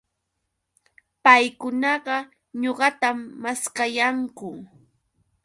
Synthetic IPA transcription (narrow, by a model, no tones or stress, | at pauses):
pajkʊnɑɢɑ | ɲoɢɑt̪amːaskajaŋkʊ